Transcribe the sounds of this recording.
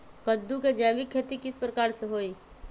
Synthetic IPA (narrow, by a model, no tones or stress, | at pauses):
kəd̪ːuked͡ʒaːʋɪkʰːeːt̪ikɪspɾəkaːɾseɦoːiː